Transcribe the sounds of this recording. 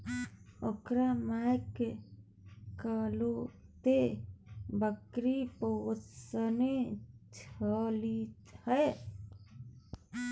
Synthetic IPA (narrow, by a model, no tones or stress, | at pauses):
okɾamajke | kalot̪e | bəkɾiposənet͡ʃʰəlit̪həe